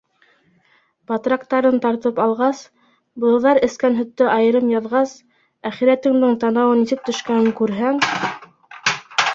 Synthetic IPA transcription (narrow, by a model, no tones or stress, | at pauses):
pɑt̪rɑk̚t̪ɑɾɤnt̪ɑɾt̪ɤpɑlˠʁɑs | bɤ̆lˠɤ̆ðɑɾɘ̆skænɦɵ̆t̪ːɘʔɑjɤ̆ɾɤmjɑðʁɑs | æχiɾæt̪ɘ̆ŋd̪ɘɴt̪ɑnɑwɤnːisɘp̚t̪ɵ̆ʃkænɘŋkʉɾɦæŋ